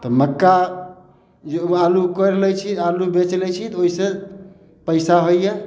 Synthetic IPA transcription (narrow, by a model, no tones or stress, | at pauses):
t̪ɔməkːa | d͡ʒealukəɾlɛt͡ʃʰialubet͡ʃlɛt͡ʃʰit̪oise | pəɪsaɦojje